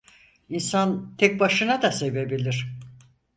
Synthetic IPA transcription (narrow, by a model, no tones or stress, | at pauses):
insant̪ʰɛk̚baʃɯnad̪ase̞ve̞bilʲiɾ̥